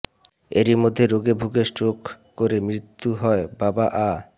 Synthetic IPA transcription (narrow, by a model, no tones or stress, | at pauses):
eɾimod̪ʱːeɾoɡebʱuɡesʈok | koɾemɾit̪ːuɦɔebabaʔa